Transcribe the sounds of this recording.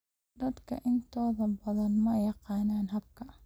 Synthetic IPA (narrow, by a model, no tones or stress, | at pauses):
d̪ɐd̪kʰɐ̰ʔɪnt̪ʰɔːðɐbɐðɐnmɐjɑqɑːnaːnɦɐb̚kʰɐ